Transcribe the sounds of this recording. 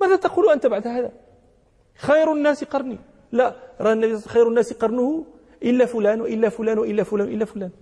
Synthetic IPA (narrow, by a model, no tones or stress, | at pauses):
mæːd̪æt̪ɑqulʔænt̪abaʕd̪ɦæːðæ | xɑjɾʊnːæsiqɑɾˤnḭ | laʔɾˤɑnːæbisˤːsxɑjɾʊnːæːsiqɑɾˤnʊhʊ | ʔɪlːæfʊlæːnwaʔɪlːæfʊlæːnwaʔɪlːæfʊlæːnʔɪlːæfʊlæːn